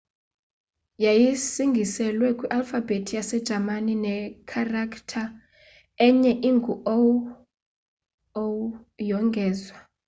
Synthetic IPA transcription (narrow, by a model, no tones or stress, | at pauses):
jajisiŋɡʱisɛlwɛkʼwiʔalfabʱetʰijasɛd̥ʒ̥ʱamaninɛkʰarakʰtʰa | ɛɲɛʔiŋɡʱuow | w | jɔŋɡʱɛːzwa